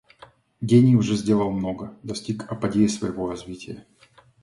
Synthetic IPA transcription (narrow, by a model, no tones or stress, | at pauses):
ɡʲenʲɪjʊʐɛzʲdʲelˠəlˠmno̞ɡəd̪ɐsʲtʲikɐpɐdʲeɪsvəjɪvorɐzvʲitʲɪjə